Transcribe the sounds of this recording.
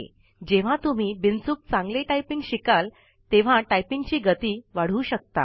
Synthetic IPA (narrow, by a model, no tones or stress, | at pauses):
d͡ʑeʋ̤ãt̪um̤iːbint͡suːk̚t͡sãŋɡleʈajpiŋɡɕikal | t̪eʋ̤aʈajpiŋɡt͡ɕiːɡət̪iːʋaɽ̤uːɕək̚t̪a̰